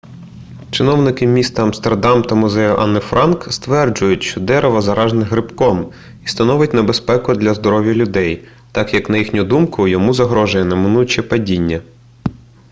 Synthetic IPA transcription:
t͡ʃɪnɔwnɪkɪmʲist̪ɐɐmst̪erd̪ɑmt̪ɐmʊzɛjʊʔɐnːɪfɾʔɑnkst̪ʋɛrd͡ʒʊjʊtʲʃt͡ʃɔd̪ɛɾʔɛʋɐzɐɾɑʒnɛɦɾɪpkɔm | ist̪ɐnɔʋɪt̚ʲnebespɛkʊd̪lʲɐzd̪ɔɾɔʋʲjɐlʲʊd̪ɛj | t̪ɑkjɐknɐjixnʲʊd̪umkʊjɔmuzɐɦɾɔʒɐjɛnɛmɪnujt͡ʃɛpɐdʲinʲːɐ

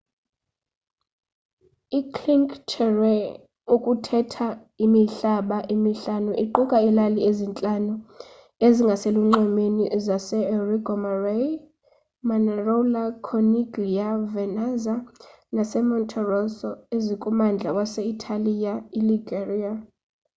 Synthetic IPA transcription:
ikʰliŋkʰʼtʰɛrwɛ | ukʼutʰɛtʰa | imiɬaɓaʔimiɬanuʔiǃukʼailaliezint͡ɬʼanu | eziŋɡʱaseluŋ͡ǃɛmenizasɛriɡɔmarej | manɛrɔlakʰɔniɡijavɛnaza | nasɛmɔntʰʼɔrɔsɔezikʼumand͡ɮʱawasɛitʼʰalijailiɡeria

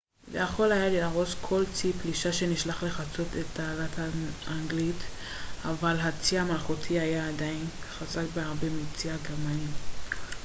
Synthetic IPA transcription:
vḛjaχo̞lhajaliaʁo̞skʰo̞lt͡sipliʃaʃe̞niʃlaχle̞χat͡so̞tetːaːlathaaŋɡlit | avalɦat͡siamalχutʰiajaːdajinχazakbeaʁbemit͡siaɡeʁmanim

